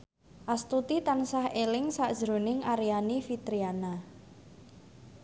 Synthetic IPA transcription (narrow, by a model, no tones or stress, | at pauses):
ʔast̪ut̪it̪ansahelɪŋsaʔd̥ʒ̥ɾṳnɪŋʔaɾijanifit̪ɾiana